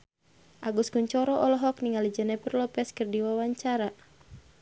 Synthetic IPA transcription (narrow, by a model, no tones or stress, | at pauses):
ʔaɡuskuɲt͡ʃɔɾɔʔɔlɔɦɔkniŋalid͡ʒənɛpərlɔpɛskərdiwawaɲt͡ʃaɾa